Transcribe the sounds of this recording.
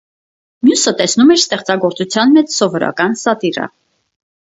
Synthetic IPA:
mjusət̪ɛsnumɛɾst̪ɛχt͡sɑɡɔɾt͡sut͡sʰjɑnmɛt͡ssɔvɔɾɑ̰kɑnsɑt̪irə̰

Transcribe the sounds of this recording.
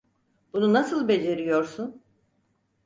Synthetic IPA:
b̥ununasɯlˠbe̞d͡ʒe̞ɾijo̞ɾsun

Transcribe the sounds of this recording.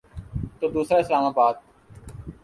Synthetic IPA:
t̪oːd̪uːsɾaːɪslaːmaːbaːd̪̚

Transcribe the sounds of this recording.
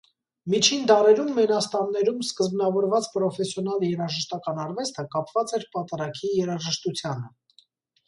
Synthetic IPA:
mit͡ʃʰind̪ɑɾɛɾumːɛnɑst̪ɑnːɛɾumskəzbnɑvɔɾvɑt͡spɾɔfɛsjɔnɑljɛɾɑʒəʃt̪ɑkɑnɑrvɛst̪ʰəkɑpvɑt͡sɛɾpɑt̪ɑɾɑkʰijɛɾɑʒəʃt̪ut͡sʰjɑnə

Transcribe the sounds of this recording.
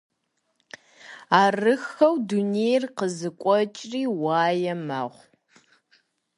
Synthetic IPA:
aːrɨxɐwdunejrqəzɨkʷʼɔt͡ʃʼriːwaːjɛma̰ːʁʷ

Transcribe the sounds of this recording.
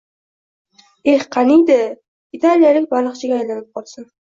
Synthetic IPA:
ehqʰɑnijd̪ɪ | it̪ʰalijalɪk̚ʲbalɨqt͡ʃʰɪɡʲaːjlanɪp̚qʰɒlˠsɪn

